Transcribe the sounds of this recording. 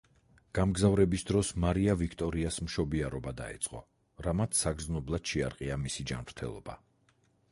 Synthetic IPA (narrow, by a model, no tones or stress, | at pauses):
ɡ̥amɡzavɾɛbisd̪ɾɔsmaɾiavikʰt̪ʼɔɾiasmʃɔbiaɾɔbad̪a̰ɛ̰t̪sʼqʼɔ̰ | ɾamat̪ʰsaɡɾznɔblˠad̪̥ʃɛa̰ɾqʼiamisid͡ʒa̰nvɾt̪ʰɛ̰lˠɔ̰ba